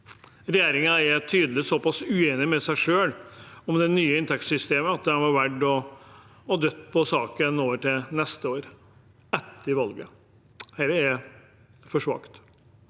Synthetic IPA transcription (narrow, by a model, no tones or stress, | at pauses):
ɾɛjeːɾɪŋənɛɾt̪ʰyːd̪əlɪsɔpɑsʉeːnɪmɛsæɪʂøːlɔmd̪ɛnyːəɪnt̪ʰɛk̪sʏst̪eːməɑt̪̚d̪ɛhɛnʋɑɾʋæɖɔː | d̪œt̪ːpʰɔsɑːkənoːʋəʈɪlnɛst̪əoːɾ | ɛt̪ːəɪʋɑlɡə̰ | hɛɾəɛ | fɔʂʋɑ̰kt̪